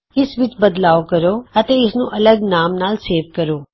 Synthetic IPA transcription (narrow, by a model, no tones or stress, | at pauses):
ɪsʋɪt͡ʃbəd̪laːʋkəɾoət̪eɪsnũʔɐləɡnaːmnaːlseːʋkəɾoː